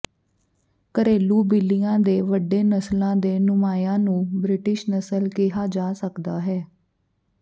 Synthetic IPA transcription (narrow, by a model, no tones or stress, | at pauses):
kəɾeːluːbɪlːijãːd̪eːʋəɖːeːnəslãːd̪eːnʊmaːjãːnũːbɾɪʈɪʃnəsəlkɪɦaːd͡ʒaːsəkd̪aːɦɛː